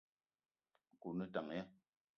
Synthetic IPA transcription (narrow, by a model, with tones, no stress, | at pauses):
ku˨nɨ˦ta˨ŋ˨ɛ˦